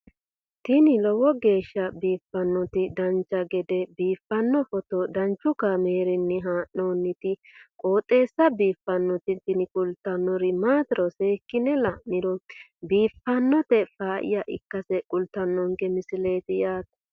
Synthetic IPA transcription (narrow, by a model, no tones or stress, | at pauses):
t̪ɪnɪlɔwɔɡe̞ːʃːɐbiːfːɐnːɔt̪ɪd̪ɐnt͡ʃːɐɡɛd̪ɛbiːfːɐnːɔfɔt̪ɔd̪ɐnt͡ʃːʊkɐmeːɾɪnːɪɦaːʔoːnːɪt̪ɪkʼoːt̪ʼːe̞ːsːɐbiːfːɐnːɔt̪ɪt̪ɪnɪkʼʊlt̪ːɐnːɔɾɪmaːt̪ɪɾɔse̞ːkːɪnɛlɐʔnɪɾɔbiːfːɐnːɔt̪ɛfaːʔɪ̰jɐʔɪ̰kːɐsɛkʼʊlt̪ːɐnːɔŋkɛmɪsɪle̞ːt̪ɪjaːt̪ɐ